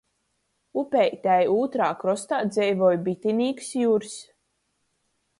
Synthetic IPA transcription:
upʲɛjt̪ʲæjuːt̪ɾaːkɾɔst̪aːd̪zɛjvɔːjbit̪ʲinʲiːksjuːɾs

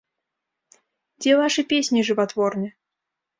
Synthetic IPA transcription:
d͡zʲɛvaʂɨpʲesʲnʲiʐɨvat̪vɔrnʲɛ

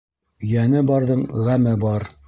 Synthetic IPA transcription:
ɵ̆jænɘbɑɾðɤɴʁæmɘbɑɾ

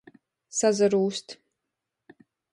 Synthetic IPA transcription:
sazɐɾuːst̪ʰ

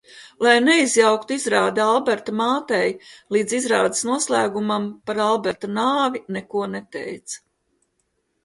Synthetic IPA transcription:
lˠajneizjawkt̪uizɾaːd̪ialˠbɛɾt̪amaːt̪ɛjlˠiːd̪zizɾaːd̪ɪ̥snuɔslˠæːɡumampaɾalˠbɛɾt̪anaːvinɛkuɔnɛt̪ɛ̰jt̪sḁ

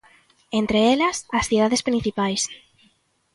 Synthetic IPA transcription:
ent̪ɾeelɐsasθið̞aðespɾĩniθipajs

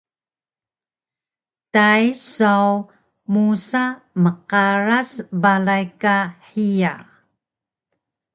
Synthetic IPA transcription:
tajsaw | musaməqaɾasbalajkaħija

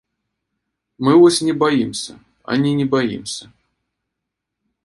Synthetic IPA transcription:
mɨvɔsʲnʲɪbɐjimsʲə | ɐ̰nʲinʲɪbɐjḭmsʲə

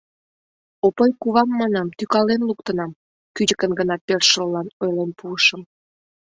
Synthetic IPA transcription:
opojkuβɑmːɑnɑmt̪ykɑlenluk̚t̪ənɑm | kyd͡ʑəkənɡənɑpørʃəllːɑnojlenpuəʃəm

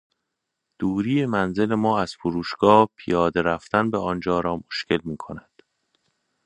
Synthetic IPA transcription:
d̪̥uːɾiːemænze̞lemɒːæz̥foɾuːʃɡ̥ɒːpʰijɒːd̪e̞ɾæft̪ænbeɒnd͡ʒɒːɾɒːmoʃcʰe̞lmiːkʰo̞næd̪̥

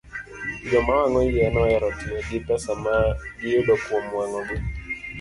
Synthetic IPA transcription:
d͡ʒɔmawaŋɔjɛnɔɛɾɔtɪɔɡɪpɛsamaɡɪjodɔkwomwaŋɔɡwe

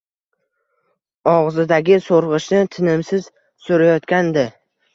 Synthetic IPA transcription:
ɒʁzɪd̪aɡʲɪsoɾʁɨʃnɪt̪ʰɪnɪmsɪz̥ | sʊɾajɒt̪kʲand̪ɪ

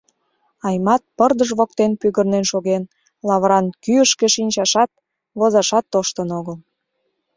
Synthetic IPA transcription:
ɑjmɑt̪̚pərd̪əʒβok̚t̪enpyɣərnenʃoɣen | lɑβɾɑnkyəʃkeʃinʲt͡ɕɑʃɑt̪̚ | βozɑʃɑt̪ːoʃt̪ənoɣəl

